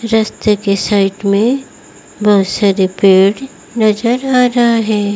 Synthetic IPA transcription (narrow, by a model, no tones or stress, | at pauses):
ɾɐst̪ekesaːɪʈmẽ | bɐɦʊt̪saɾepeːɽ | nɐzəɾaːɾɐɦaɦɛː